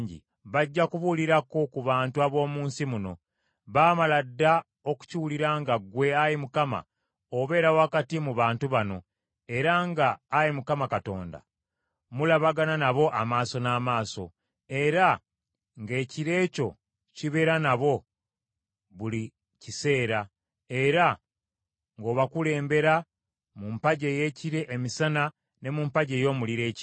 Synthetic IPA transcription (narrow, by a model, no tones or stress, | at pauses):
ɲɟḭ | βaɟːakuβuliɾako̞kuβaːntuaβo̞ːmuːnsimuno̞̰ | βaːmaladːa | o̞ku̥ciwuliɾaŋɡaɡwe̞ajimukama̰ | oβe̞ːɾawakatimuβaːntuβano̞ | e̞ɾaŋɡaːjimukamakato̞̰ːnda̰ | mulaβaɡananaβo̞ʔamaːso̞naːmaːso̞̰ | e̞ɾa | ŋɡe̞ːciɾe̞ːco̞ | ciβe̞ɾanaβo̞ | βuli | cise̞ːɾa | e̞ɾa | ŋɡo̞ːβakule̞ːmbe̞ɾa | mumpaɟe̞ːje̞ːciɾe̞ʔemisana | ne̞mumpaɟeːjo̞muliɾe̞ːc